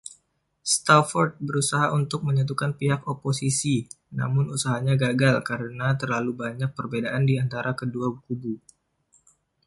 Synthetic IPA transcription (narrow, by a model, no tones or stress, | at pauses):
st̪afɔrt̪̚bəɾusaɦaʔunt̪ʊk̚məɲat̪̬ukanpiɦakoposisi | na̰mʊnusaɦaɲaɡaɡalkaɾənat̪ərlalubaɲak̚pərbedaʔandiant̪aɾʔakəduabukubu